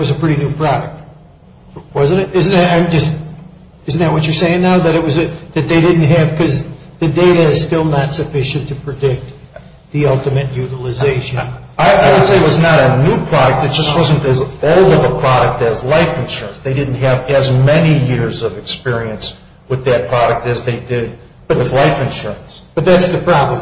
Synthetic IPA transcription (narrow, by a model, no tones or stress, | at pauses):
t̚wʌzɨpʰɹ̥ɪɾinʉpʰɹ̥ɑɾɨk̚t̚ | wʌzɨ̃n̩ɨɾɪzn̩ðɨɾãɪ̃md͡ʒʌst | ɪzn̩ðɨt̚wʌt͡ʃə˞seɪɪ̃ŋnaʊðɨɾɨt̚wʌzɨðɨt̪̚ðeɪɾɪdⁿn̩t̚ɦɨv̥kʰʌzðɨdeɪɾɨɨz̥stɪlˠnətsɨfɪʃɨ̃ntʰɨpʰɹ̥ɨdɪk̚t̪̚ | ðiʌlˠtɨmɨt̚jʉɾl̩ˠɨzeɪʃɨ̃n | aɪʔaɪwɨd̥seɪɨt̚wʌznəɾɨnupʰɹ̥ɑɾɨk̚tɨt̚d̥ʒ̥ʌst̚wʌzɨ̃ntɨzoʊlˠdʌvəpʰɹ̥ɑɾɨk̚tɨzlaɪfɨ̃nʃʊɹə̃nsðeɪdɪdⁿn̩t̚ɦɨvɨzmɛnijɪɹzʌvɨkspɪɹiɨ̃ns | wɨðɨt̚pʰɹ̥ɑɾɨk̚tɨzðeɪdɪd̚ | ʌɨθlaɪfɨ̃nʃʊɹə̃nsb̥ʌt̪̚ðætsðɨpʰɹ̥ɑblə̃